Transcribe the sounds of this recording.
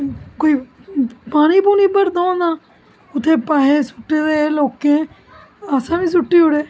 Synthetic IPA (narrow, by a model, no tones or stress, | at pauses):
koːiːpaːñiːbuːniːpəɾd̪ãːd̪aː | ʊt̪ʰːeːpaːɦeːsʊʈːeːd̪eːloːkẽː | aːsãːʋĩːs̬ʊʈːiːɦʊɽeː